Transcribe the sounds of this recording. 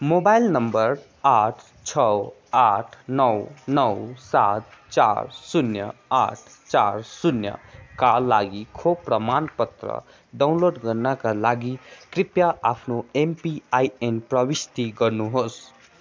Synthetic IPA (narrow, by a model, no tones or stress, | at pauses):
mobajlnʌmbʌɾ | aʈʰ | t͡sʰʌw | aʈʰnʌwnʌwsat̪̚t͡sa̰ɾsunjʌ̰a̰ʈʰt͡sa̰ɾsunjʌ̰kalaɡikʰoprʌmanpʌt̪rʌ̰ | ɖawnloɖɡʌɾnʌkalaɡikripjaapʰnoempiajenprʌbist̪iɡʌrnuɦos